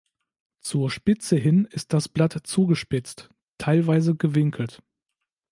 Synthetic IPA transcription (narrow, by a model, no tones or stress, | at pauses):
t͡suːɐʃpɪt͡səɦɪnɪst̚d̥asb̥latt͡suːɡəʃpɪt͡st | tʰːaɪlvaɪzəɡəvɪŋkʰl̩t